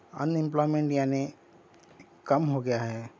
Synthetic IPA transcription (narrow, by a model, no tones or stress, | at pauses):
ə̰nɪ̃mplɔːɪmẽɳʈjaːne | kəmɦoɡɐjaɦɛː